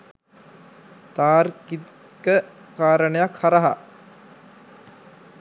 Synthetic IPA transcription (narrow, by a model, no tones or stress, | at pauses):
t̪aːɾkit̪ | kə | kaːɾəɳəjakhaɾaɦa